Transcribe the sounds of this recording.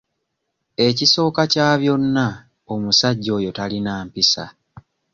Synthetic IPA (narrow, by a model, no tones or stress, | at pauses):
e̞ciso̞ːkacaːβjo̞nːa | o̞musaɟːo̞ːjo̞talinaːmpisa̰